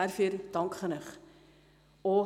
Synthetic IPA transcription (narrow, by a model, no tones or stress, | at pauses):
ærfuərd̥ɐŋkχənəχ | ɔ